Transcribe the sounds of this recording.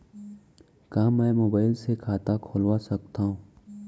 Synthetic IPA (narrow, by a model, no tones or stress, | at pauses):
kamɛ̃ːmoːbaːɪlsekʰaːt̪akʰoːlwasɐkt̪aɦũː